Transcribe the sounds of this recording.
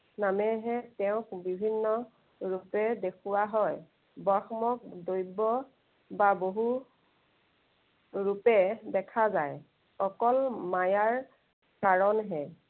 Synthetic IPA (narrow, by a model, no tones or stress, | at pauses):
namɛɦɛtɛʊ̃bibʱinːɔ | ɹupɛdekʰuwaɦɔj | bɔxɔmɔk̚dojbɔ | baboɦu | ɹupɛdɛkʰazaj | ɔkɔlmajaɹ | kaɹɔnɦɛ